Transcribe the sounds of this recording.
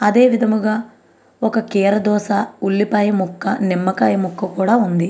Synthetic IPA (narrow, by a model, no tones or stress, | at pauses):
ɐd̪e̞ːʋid̪ʱɐmuɡaː | ɔkɐkɛːɾɐd̪ɔːsaːuɭːipaːjɐmukːɐnimːɐkaːjɐmukːɐkuːɽaːund̪i